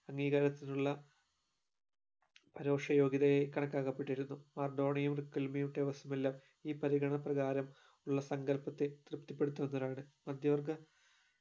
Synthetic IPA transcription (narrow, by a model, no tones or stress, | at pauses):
ɐŋːiːɣɐɾɐt̪ːinuɭːɐ | pɐɾo̞ːʂɐjo̞ːɡiðɐjekɐɳɐkːaːɣɐpːeʈːiɾunːumɐrɖo̞ːɳɐjumrikːilmijuʈːeʋɐsumelːaːm | iːpɐɾiɡɐɳɐprɐɣaːɾɐm | uɭːɐsɐŋɡɐlpɐt̪ːet̪rɨpt̪ːipːe̞ɽut̪ːuʋɐnːɐðaːɳɨmɐd̪ʱjɐʋɐrɡɐ